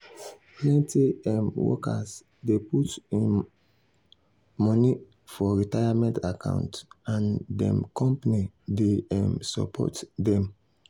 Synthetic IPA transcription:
plɛ̃ntiɛmwɔ̰ka̰s | deputĩ | mɔni | fɔɹitajamɛ̃ntakʰã̰ʊ̃ntãndɛ̰̃mkɔ̃mpanideɛ̃msɔ̰pʰɔ̰tdɛ̃m

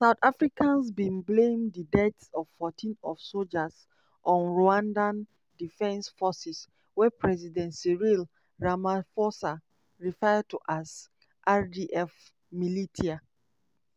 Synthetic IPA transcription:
saʊtafɹikãnsbĩnblẽmdədɛtsɔv̥fɔtʰĩnɔvsold͡ʒəs | ʔɔ̃nɹoãndãn | difɛ̃nsfɔsis | wɛpʰɹɛzidɛ̃ntsiɹil | ɹamafɔsa | ɹifajad̚tʰuʔaz | ʔadiʔɛf | militʰia

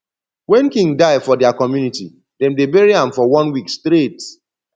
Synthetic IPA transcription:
wɛ̃nkĩŋɡdaɪfɔdɛakɔmjuniti | dɛ̃mdebɛɹiãmfɔwɔ̃nwikstɾet

